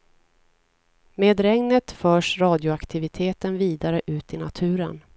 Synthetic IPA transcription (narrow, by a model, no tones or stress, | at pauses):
meːd̪ɾɛŋnət̪fœːʂɾɑːd̪jʊakt̪ʰɪvɪt̪ʰeːt̪ənviːd̪aɾəʔʉ̟ːt̪ɪnat̪ʰʉ̟ːɾə̰n